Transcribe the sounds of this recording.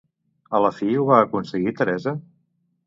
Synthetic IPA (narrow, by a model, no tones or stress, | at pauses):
ələfiuβaəkunsəɣit̪əɾɛzə